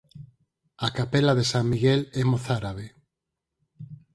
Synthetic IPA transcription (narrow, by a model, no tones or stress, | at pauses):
akapelaðesaŋmiɣelɛmoθaɾaβ̞e